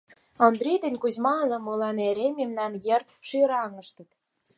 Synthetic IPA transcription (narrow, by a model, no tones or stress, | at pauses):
ond̪ɾid̪ĕnʲkuzmɑlɤ̆molɑneɾememnɑnjer | ʃyɾɑŋə̆ʃt̪ə̆t̪